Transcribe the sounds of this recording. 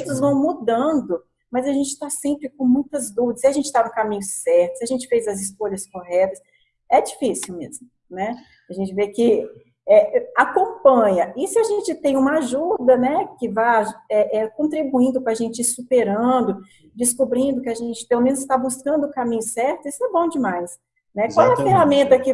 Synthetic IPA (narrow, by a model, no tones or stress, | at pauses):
t̪ʊzvɐ̃w̃mud̪ɐ̃nd̪ʊ | mɐjzɐʒẽnt͡ʃɪ̥t̪asẽmpɾɪkõmũj̃t̪ɐzd̪ud̪ɐsɪaʒẽnt͡ʃɪ̥t̪anʊkamĩɲʊsɛɾt̪ʊsɪaʒẽnt͡ʃɪ̥fejzɐzɪskoʎɐskoɦɛt̪ɐs | ɛd͡ʒifisiwmezmʊ | nɛ | aʒẽnt͡ʃɪvekɪ | ɛakõpɐ̃ɲɐɪsɪaʒẽnt͡ʃɪt̪ẽj̃ũmɐaʒud̪ɐnɛkɪvajɛʔɛkõt̪ɾibuĩnd̪ʊpɾaʒẽnt͡ʃɪsupeɾɐ̃d̪ʊ | d͡ʒɪskubɾĩnd̪ʊkɪaʒẽnt͡ʃɪ̥pelomẽnʊzst̪abuskɐ̃nd̪ʊːkamĩɲʊsɛɾt̪ʊisʊɛbõw̃d͡ʒɪmajs | nɛkwawɛɐfeɦamẽnt̪ɐkɪ